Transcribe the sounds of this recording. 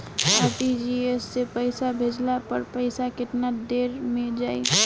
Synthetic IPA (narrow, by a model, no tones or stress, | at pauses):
aʈid͡ʒiesːepəɪsabʱed͡ʒlapəɾpəɪsakɪʈ̪nad̪eɾmed͡ʒaːi